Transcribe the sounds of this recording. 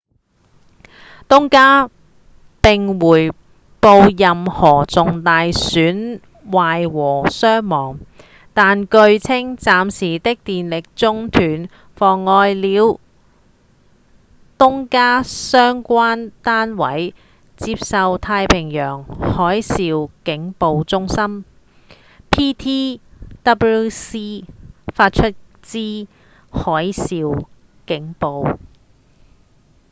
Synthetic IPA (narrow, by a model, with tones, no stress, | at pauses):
t̪ʊ˥ŋkaː˥ | pɪ˨ŋwuː˨˩j | po˧wjɐ˨mhɔː˨˩t͡sʊ˨ŋt̪aː˨jsyː˨˥n | waː˨jwɔː˨˩sœː˥ŋmɔː˨˩ŋ | t̪aː˨nkɵ˧ɥt͡sʰɪ˥ŋt͡saː˨˧msiː˨˩t̪ɪ˥k̚t̪iː˨nlɪ˨k̚t͡sʊ˥ŋt̪ʰyː˨˩n | fɔː˨˩ŋːɔː˧jliː˨˧w | t̪ʊ˥ŋkaː˥sœː˥ŋkʷaː˥nt̪aː˥nwɐ̰˨˥j | t͡siː˧p̚sɐ˧wt̪ʰaː˧jpʰɪ˨˩ŋjœː˨˩ŋhɔː˨˥jsiː˨˧wkɪ˨˥ŋpo˨˧wt͡sʊ˥ŋsɐ˥m | pʰiː˥t̪ʰiː˥t̪ɐ˥pu˥siː˥faː˧t̚t͡ʃʰɵ˥t̚ | t͡siː˥ | hɔː˨˥jsiː˨w | kɪ˨˥ŋpo˨˧w